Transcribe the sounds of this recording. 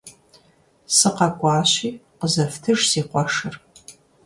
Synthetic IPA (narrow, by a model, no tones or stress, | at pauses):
sɨqɐkʷʼaːɕiːqəzɐftʰɨʐsiːqʷɔʂɨr